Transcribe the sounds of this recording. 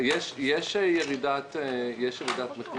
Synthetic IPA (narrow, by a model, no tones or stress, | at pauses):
jɛʃjɛʃjeʁidat̪jɛʃjeʁid̪at̪meχl